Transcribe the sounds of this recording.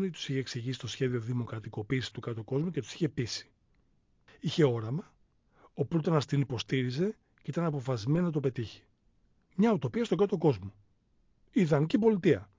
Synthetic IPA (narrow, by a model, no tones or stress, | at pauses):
noit̪u̥siçe̞ksiʝisi̥st̪o̞sçe̞ðio̞ðimo̞kɾɐt̪iko̞piːsist̪ukɐt̪oko̞zmuce̞t̪u̥siçe̞pisi̥ | içe̞o̞ɾɐmɐ | opɾut̪onɐst̪inipo̞st̪iɾize̞ | ceit̪ɐnɐpo̞fɐzmeninɐt̪̬ope̞t̪içi̥ | mɲɐut̪o̞piɐst̪o̞ɡɐt̪o̞ko̞zmo | iðɐnicipo̞lit̪iɐ